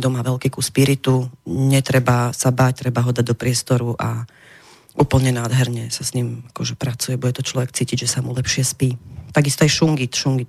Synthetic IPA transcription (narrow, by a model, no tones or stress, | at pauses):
d̪ɔmaʋɛlkikuspiɾit̪uɲɛt̪ɾɛbasabaːc̚t̪ɾɛbaɦɔd̪aɟ̚d̪ɔpɾɪɛst̪ɔɾuʔa | ʔuːpl̩ɲɛnaːd̪ɦɛɾɲɛsasɲimakɔʒɛpɾat͡sujɛbuɟɛt̪ɔt͡ʃlɔʋɛkt͡siːciɟʒɛsamulɛpʃɪɛspiːt̪aɡist̪ɔajʃuŋɡiʃuŋɡi